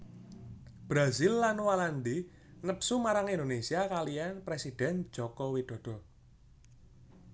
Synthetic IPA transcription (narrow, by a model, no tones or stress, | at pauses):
b̥ɾazilːanwaland̪i | nəpsumaɾaŋind̪onesiakalijanpɾesid̪̥ɛ̤n̥d͡ʒ̥ɔkɔwid̪̥ɔ̤d̥ɔ̤